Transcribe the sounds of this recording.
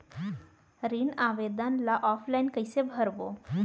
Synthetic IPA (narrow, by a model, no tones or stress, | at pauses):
ɾiɳaʋed̪ənlaʔɔfʰlainkəjsebʱəɾbo